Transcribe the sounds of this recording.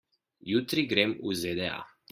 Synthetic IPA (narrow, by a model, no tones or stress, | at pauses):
jut̪ɾiɡɾemuzed̪ɛa̰